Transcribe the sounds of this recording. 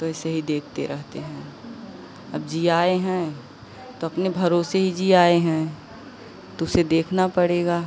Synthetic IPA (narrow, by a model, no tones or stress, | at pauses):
t̪oɛːseɦid̪eːkʰt̪ḛɾɛɦt̪eɦɛ̃ː | ɐb̚d͡ʒiːaːeɦɛ̃ | t̪oɐpnebʱɐɾoːseɦid͡ʒiaːeɦɛ̃ː | t̪ʊsed̪eːkʰnapɐɽeːɡaː